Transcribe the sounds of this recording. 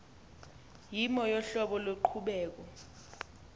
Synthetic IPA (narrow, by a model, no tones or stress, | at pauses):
jimɔjɔɬɔɓɔlweǃʰuɓɛːk̬ɔ